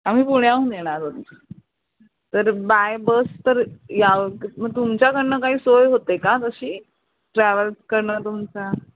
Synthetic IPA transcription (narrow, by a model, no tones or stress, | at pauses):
am̤iːpuɽjaũnjeɽ̃aɾod̪t̪ | t̪əɾbajbəst̪əɾjaʋkiməɡ̚t̪umt͡ɕjakəɾɳəkaɦiːsojɦot̪ekat̪əɕiː | ʈɾæʋəlkəɾɳət̪umt͡sa